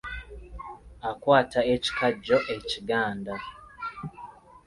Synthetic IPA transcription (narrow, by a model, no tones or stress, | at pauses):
akwaːtaeci̥kaɟoʔeciɡaːnda